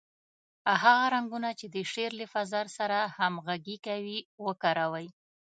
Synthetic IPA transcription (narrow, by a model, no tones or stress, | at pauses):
aɦaɣaɾaŋɡunat͡ʃed̪əʃeɾləfazaɾsaɾahamɣaɡikawiwəkaɾawəj